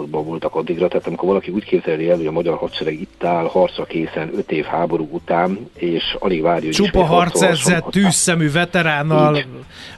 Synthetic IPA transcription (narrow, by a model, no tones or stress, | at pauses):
d̪bɒvult̪ɒkɒd̪ːiɡɾɒt̪ɛɦaːt̪ɒmiko̞rɾvɒlɒkiuːckeːbzɛliɛlhoɟɒmɒɟɒrhɒt̪ʃɛɾɛɡit̪ːaːlhɒrt̪sɒkeːsɛnøt̪eːfhaːbo̞ɾuːut̪aːneːʃɒ̰liɡvaːɾjuot͡ʃupɒɦɒrt̪sɛszːɛt̪ːyːsːɛmyːvɛt̪ɛɾaːnːɒl